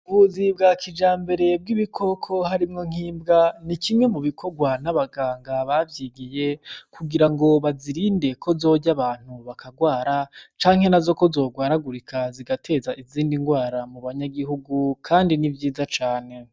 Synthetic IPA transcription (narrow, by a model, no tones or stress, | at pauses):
βuzibɡakʰid͡ʒaːmbe̞ɾe̞b̚ɡiβikʰo̞kʰo̞haɾimŋo̞ŋ̥iːmbɡanikimŋe̞muβikʰo̞ɡwanaβaɡaːŋɡaβavjiɡije̞kuɡiɾaŋɡo̞βaziɾinde̞kʰo̞zo̞ɟaβaːn̥uβakaɡwaːɾat͡ʃaːŋhe̞nazo̞ko̞zo̞ːɡwaːɾaɡuɾikʰaziɡatʰe̞zaʔiziːndiŋɡwaːɾamuβaɲaɡiɦuɡukʰaːndinivjiːzat͡ʃaːne̞